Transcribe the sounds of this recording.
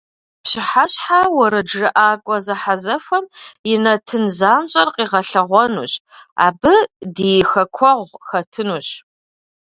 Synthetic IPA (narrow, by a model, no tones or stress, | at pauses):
pɕɪħaɕħawɐɾɐd͡ʒrɨʔaːkʷʼɔzɐħazɐfʷɔmjɪnɐtʰɨnzaːnɕʼɐrqʼiːʁɐɬɐʁʷɔnṵːɕa̰ːbɨdijxɐkʷʰɔʁʷxɐtʰɨnuːɕ